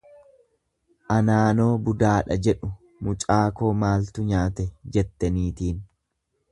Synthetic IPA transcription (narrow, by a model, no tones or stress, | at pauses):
ʔɐnaːno̞ːbʊd̪aːᶑɐd͡ʒɛᶑʊ | mʊt͡ʃʼaːko̞ːmaːlt̪ʊɲaːt̪ɛd͡ʒɛt̪ːɐniːt̪iːn